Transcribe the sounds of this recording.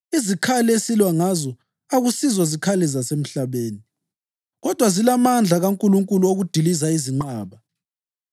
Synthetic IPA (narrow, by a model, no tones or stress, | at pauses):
izikʰaliesilwaŋazɔ | aɣusizɔzikʰalɛzasem̩ɬaβeːni | ɣɔd̥ʱwazilamand͡ɮʱaɣaŋkʼuluŋkʼuluoɣud̥ʱilizaiziŋ͡ǃaːβa